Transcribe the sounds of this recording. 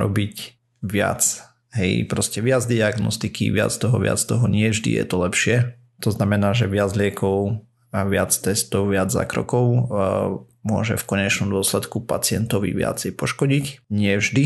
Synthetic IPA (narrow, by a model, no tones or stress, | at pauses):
ɾɔ̰bic | ʋɪa̰t͡s | ɦɛjpɾɔscɛʋɪad͡zd̪iaɡnɔ̰st̪ikḭʋɪa̰t͡st̪ɔɦɔ̰ʋɪa̰t͡st̪ɔɦɔɲɪɛvʒd̪ḭjɛ̰t̪ɔlɛpʃɪɛ | t̪ɔznamɛnaːʒɛʋɪad͡zlɪɛkɔʊ | aʋɪat͡st̪ɛst̪ɔʊʋɪad͡zza̰ːkɾɔ̰kɔʊ | mʊɔ̰ʒɛ̰fkɔɲɛt͡ʃnɔmd̪ʊɔslɛt̪kupa̰t͡sɪɛnt̪ɔʋḭʋɪa̰t͡sɛjpɔʃkɔɟicɲɪɛvʒd̪i